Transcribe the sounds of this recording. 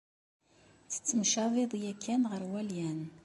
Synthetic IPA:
t͡sə̥t͡sːəmʃæviðˤjækʰːænʁəɾwæljæn

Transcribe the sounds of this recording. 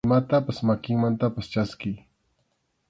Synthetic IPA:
mat̪apasmakɪŋmant̪apast͡ʃaski

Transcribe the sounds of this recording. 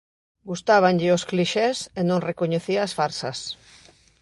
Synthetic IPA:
ɡust̪aβ̞aŋʎɪoskliʃesenõŋrekoɲeθiaːsfaɾsɐs

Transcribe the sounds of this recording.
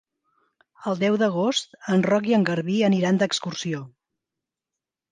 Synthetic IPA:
əlˠd̪ɛwðəɣ̞ost̪ənrɔk̬iəŋɡəɾβiəniɾand̪əkskursio

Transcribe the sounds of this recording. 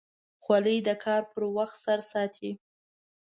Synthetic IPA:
xwaləjd̪əkʰɑɾpəɾwaxt̪saɾsɑt̪ʰi

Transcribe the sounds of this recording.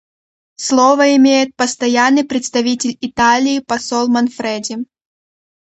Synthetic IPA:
slˠovəɪmʲejɪt̪̚pəst̪ɐjanːɨjpɾʲɪt̪st̪ɐvʲitʲɪlʲɪt̪alʲɪːpɐsolˠmɐnfɾɛdʲɪm

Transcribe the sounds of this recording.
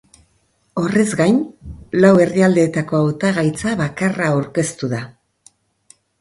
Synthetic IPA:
o̞re̞zɡajnlawe̞riald̪e̞ːt̪ako̞awt̪aɣajt͡saβakaraawɾke̞st̪uða

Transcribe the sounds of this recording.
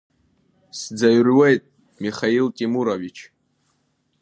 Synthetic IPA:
sd͡zaɥrwejtʼ | miχailtʼimuɾovit͡ʃʰ

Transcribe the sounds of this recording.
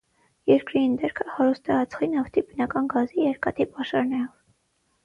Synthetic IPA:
jɛɾkɾiind̪ɛɾkʰəhɑɾust̪ɛɑt͡sʰχinɑft̪ʰibənɑkɑnɡɑzijɛɾkɑt̪ʰipɑʃɑɾnɛɾɔv

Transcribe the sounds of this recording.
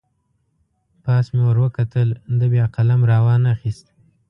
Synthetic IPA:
pɑːsmewəɾwəkat̪əlnd̪əbjɑqalamɾawɑnaxist̪̚

